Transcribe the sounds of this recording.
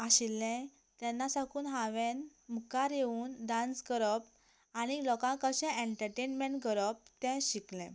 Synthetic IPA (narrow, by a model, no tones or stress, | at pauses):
aɕilːɛ̃ | t̪ɛnːasakuːnɦãʋɛ̃nmukaɾjeuːnd̪ãnsɡəɾəp̚ | añilɔkãkəɕɛ̃ʔẽɳʈəɾʈenmẽɳʈɡəɾəp̚t̪ɛ̃ɕiklɛ̰̃